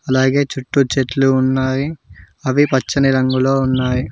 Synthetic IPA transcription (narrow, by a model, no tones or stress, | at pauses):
ɐlaːɡe̞ːt͡ʃuʈːut͡ʃeʈluːnːaːji | ɐʋipɐt͡ʃːɐniɾɐŋɡuloːunːaːji